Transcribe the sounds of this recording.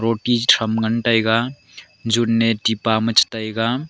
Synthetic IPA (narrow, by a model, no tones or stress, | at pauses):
ɾoʈid͡ʒʈʰɐmɡənʈajɡa | d͡ʒunːeʈipamət͡ʃʰt̪ajɡa